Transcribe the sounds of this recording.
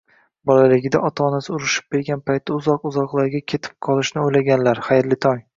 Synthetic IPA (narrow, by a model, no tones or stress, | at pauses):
bɒlalɪɡʲɪd̪aʔɒt̪ʰaːnasɪʊɾɪʃɪ̥p̚be̞ɾɡʲanpajt̪ʰːaʊzɒqʊzɒqlˠaɾɡʲakʲʰe̞t̪ʰɪ̥p̚qʰɒlˠɪʃnɪojlaɡʲanlaɾχajɾlɪt̪ʰɒj